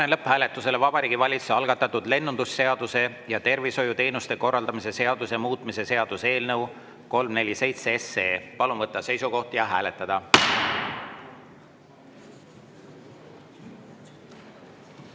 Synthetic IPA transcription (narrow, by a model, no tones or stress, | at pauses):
nenlɤpːhæːle̞t̪ːˑuse̞levɑb̥ɑɾiːɡ̥ivɑlʲit̪su̥sɑlɡ̥ɑt̪ːˑɑt̪ːud̪̥le̞nːund̪usːe̞ɑd̪̥use̞ | jɑt̪e̞rviso̞jut̪e̞ːnust̪e̞ko̞rːɑld̪̥ɑmise̞se̞ɑd̪̥use̞muːt̪ˑmise̞se̞ɑd̪̥use̞ːlnɤw | ko̞lmne̞lʲːise̞jt̪seeseːpɑlunvɤt̪ːˑɑse̞jsuko̞ht̪jɑɦæːle̞t̪ːˑɑd̪̥ɑ